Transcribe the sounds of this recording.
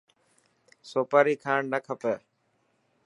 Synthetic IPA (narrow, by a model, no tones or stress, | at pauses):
soːpaːɾiːkʰaːɳnəkʰəpə